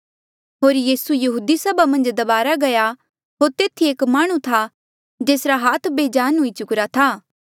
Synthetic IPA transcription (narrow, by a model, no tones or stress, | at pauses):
ɦoːɾjiːsujɐɦuːd̪isɐbamɐ̃nd͡ʒd̪ɐbaːɾaɡɐja | ɦoːɾt̪eːt̪ʰieːkmaːɽ̃ũt̪ʰa | d͡ʒeːsɾaɦaːt̪ʰbeːd͡ʒaːnɦʊit͡ʃʊkɾat̪ʰaː